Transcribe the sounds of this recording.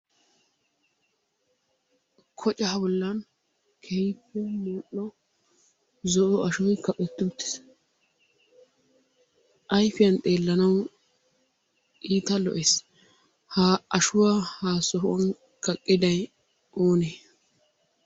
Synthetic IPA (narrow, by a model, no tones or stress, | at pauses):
kʰɔt͡ʃʼɐhɐbɔlːɐn | kʰɛjpːɛmuːʔːɔ | zɔʔɔɐʃʊɪkɐpʼɛt̪ːʊt̪ːɪ̥s | ʔɐjfɪjɐnt̪ʼe̞ːlːɐnɐw | ʔiːt̪ɐlɔ̰ʔes | haɐʃʊwaːhaːsɔɦʊwɐ̰n | kɐkʼːɪd̪ɐj | ʔoːneː